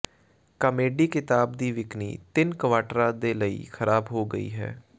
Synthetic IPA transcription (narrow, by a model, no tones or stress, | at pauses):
kəmeːɖiːkɪt̪aːbd̪iːʋɪknḭːt̪ɪnkəʋaːʈɾãːd̪eːləḭːkʰəɾaːbɦoːɡəḭːɦɛ̰ː